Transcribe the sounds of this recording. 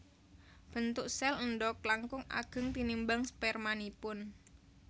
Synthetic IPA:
b̥ənt̪ʊʔsɛlənɖɔk̚laŋkʊŋa̰ɡ̥ə̤ŋt̪inimbaŋspɛrmanipʊn

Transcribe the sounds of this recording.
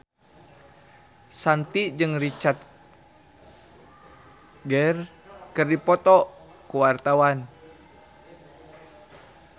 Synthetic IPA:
sant̪id͡ʒɨŋrit͡ʃat̪̚ | ɡərkɨrdipɔt̪ɔ | kuwart̪awan

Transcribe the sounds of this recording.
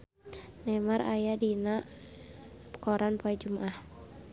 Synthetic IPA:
nɛmarʔajadinaʔ | pkɔɾʔanpɔɛd͡ʒumaʔah

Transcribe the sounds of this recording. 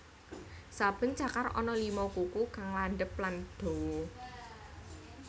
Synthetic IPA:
sab̥ə̤nt͡ʃakarɔ̰nɔlimɔkukukaŋlanɖəp̚land̪̥o̤wɔ

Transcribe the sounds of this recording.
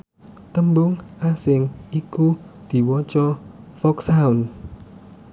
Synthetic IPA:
t̪əmbʊŋʔasɪŋikud̪̥i̤wɔt͡ʃɔfɔksaun

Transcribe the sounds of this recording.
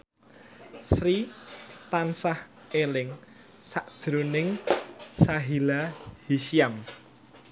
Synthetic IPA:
sɾit̪ansah | elɪŋ | saʔd̥ʒ̥ɾonɪŋsaɦilahisiam

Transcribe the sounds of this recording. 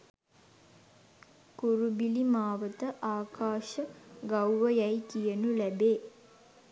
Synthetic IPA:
kuɾubilimaːʋət̪əʔaːkaːʃəɡawʋəjajkijənulæbeː

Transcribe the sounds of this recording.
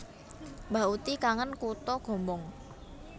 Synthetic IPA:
mbaut̪ikaŋənkut̪ɔɡ̥ɔ̤mbɔŋ

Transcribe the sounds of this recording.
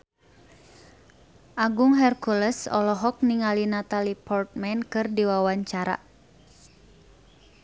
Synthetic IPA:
ʔaɡuŋɦɛrkuləsɔ̰lɔɦɔk̚niŋalinat̪alipɔrt̪̚mɛnkɨrdiwawaɲt͡ʃaɾa̰

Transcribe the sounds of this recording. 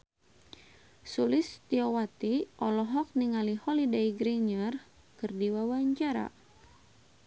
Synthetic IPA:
sulɪst̪iɔwat̪iʔɔlɔɦɔk̚niŋalihɔlidaiɡɾiɲər | kɨrdiwawaɲt͡ʃaɾa̰

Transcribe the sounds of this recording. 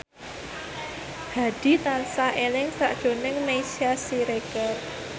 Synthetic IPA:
b̥a̤d̥i̤t̪ansaʔelɪŋsa̰ʔd̥ʒ̥o̤nɪŋmesiasiɾeɡ̥ar

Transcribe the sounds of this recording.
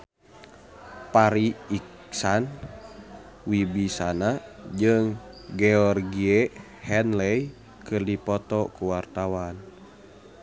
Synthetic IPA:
paɾiik | san | wibisanad͡ʒɨŋɡɛɔrɡie | hɛnlɛj | kɨrdipɔt̪ɔkuwart̪awan

